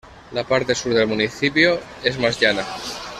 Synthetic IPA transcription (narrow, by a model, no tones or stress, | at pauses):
lapaɾt̪e̞suɾðe̞lmuniθipjoe̞zmazʎana